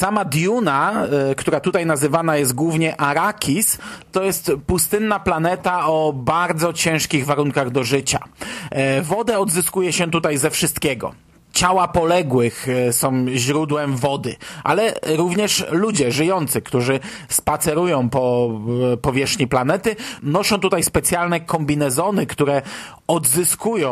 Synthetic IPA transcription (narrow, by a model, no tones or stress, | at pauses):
samad̪ʲjunakt̪uɾat̪ut̪ajnazɘvanajɛst̪̚ɡwuvɲɛʔaɾakʲʰist̪ɔjɛst̪pust̪ɘnːaplanɛt̪aɔbaɾd̪zɔt͡ɕɛ̃w̃ʂkʲiɣvaɾuŋkaɣd̪ɔʐɘt͡ɕa̰ | vɔd̪ɛɔd̪zɘskujɛɕɛt̪ut̪ajzɛfʂɘst̪kʲɛɡɔ̰ | t͡ɕawapɔlɛɡwɘxsɔ̃w̃ʑɾud̪wɛmvɔd̪ɘ̰ʔa̰lɛɾuvɲɛʂlud͡ʑɛʐɘjɔnt̪sɘkt̪uʐɘ | spat̪sɛɾujɔ̃w̃pɔ | pɔvʲjɛʂxɲiplanɛt̪ɘnɔʂɔ̃w̃t̪ut̪ajspɛt̪sʲjalnɛkɔmbʲinɛzɔnɘkt̪uɾɛ | ɔd̪zɘskujɔ̃